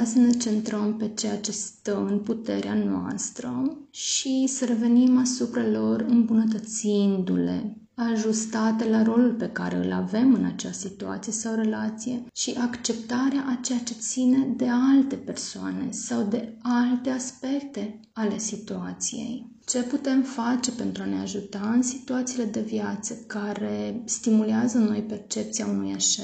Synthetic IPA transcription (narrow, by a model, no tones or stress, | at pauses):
səne̞t͡ʃe̞nt̪ɾəmpe̞t͡ʃe̞jat͡ʃe̞st̪əmɨnput̪e̞̰ɾea̰noa̰st̪ɾə̰ʃisəɾe̞ve̞nimasupɾalo̞rɨmbunət̪̬ət̪sind̪ule̞̰ | aʒust̪at̪e̞laɾo̞lulpe̞ka̰ɾe̞̰ɨ̰la̰ve̞mɨnat͡ʃeassit̪ua̰t̪sije̞sawre̞lat̪sije̞ʃiʔakt͡ʃe̞pt̪aɾeaʔat͡ʃe̞jat͡ʃe̞t̪sine̞d̪e̞alt̪e̞pe̞rsoa̰ne̞̰sawd̪e̞alt̪e̞aspe̞k̚t̪e̞ | ale̞sit̪uat̪sije̞̰j | t͡ʃe̞put̪e̞mfat͡ʃe̞pe̞nt̪ɾuaneaʒut̪aɨnsit̪uat̪sile̞d̪e̞vjat̪səkaɾe̞st̪imuleazəno̞jpe̞rt͡ʃe̞p̚t̪siaunujeʃe